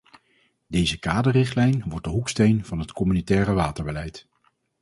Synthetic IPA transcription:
dejzəkaːdərɪχtlɛjnʋɔɹt̚dəɦukstejnv̥ɑnɦətkɔmynitɛːrəʋaːtəɹbəlɛjt

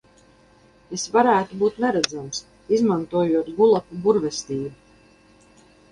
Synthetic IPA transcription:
esvaɾæːt̪ubuːt̪nɛɾæd̪zams | izmant̪uɔjuɔt̪ɡulˠakubuɾvɛst̪iːbu

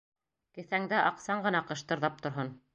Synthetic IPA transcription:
kɘ̆θæŋd̪æʔɑqsɑɴɢɤ̆nɑqɤ̆ʃt̪ɤ̆ɾðɑp̚t̪ŏɾɦon

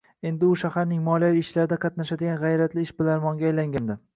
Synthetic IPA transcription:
e̞nd̪ɪʊʃahaɾnɪŋmɒliaviːt͡ʃlaɾɪd̪aqʰɑt̪naʃad̪ɪɡʲanʁɑjɾat̪lɪɪʃbɪlaɾmɒŋɡʲajlaŋɡʲand̪ɪ

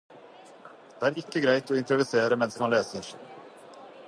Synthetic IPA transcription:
d̪̥ɛæːɾɪkːəɡɾæɪt̪ɔːɪnt̪ɾʊʋʏseːɾəmɛnsmɑnleːsəɾ

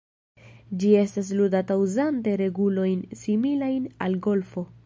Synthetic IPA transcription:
d͡ʒie̞stas̬ludatawzante̞ɾe̞ɡulo̞jnsimilajnalɡo̞lfo̞

